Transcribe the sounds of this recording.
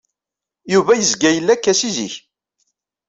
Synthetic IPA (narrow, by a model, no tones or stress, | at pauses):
juvæjəzɡæjəlːækːæsizḭç